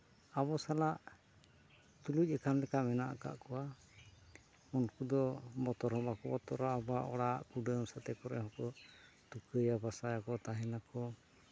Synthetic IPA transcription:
abɔsalaʔ | t̪uluc̚ˀɛkamlɛkamɛnaʔaka̰ʔkɔwa | unkud̪ɔbɔt̪ɔɾhɔbakɔbɔt̪ɔɾaːbaʔɔɽaʔkuɖəmsat̪ɛkɔɾɛ̰ɦɔkɔ | t̪ukəjabasajakɔt̪aɦɛnakɔ

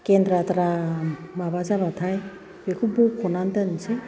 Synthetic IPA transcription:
kend̪ɾat̪aɾamabazabat̪ʰaj | bekʰubokʰɔnant̪ansʰe

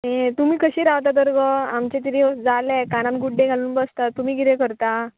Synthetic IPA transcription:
ɦẽt̪umiːkəɕiːɾaʋt̪at̪əɾɡəamt͡ɕet̪̬iɾid͡zalekanamɡuɽɖeɡʱaluːnbəst̪at̪ːumiːɡiɾekəɾt̪a

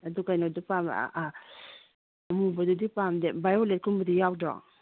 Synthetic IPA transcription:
adukajnɔdupam̰ | mubɔdudipamdebajɔlet̚kʰumbadijaw̚dɔ̰k

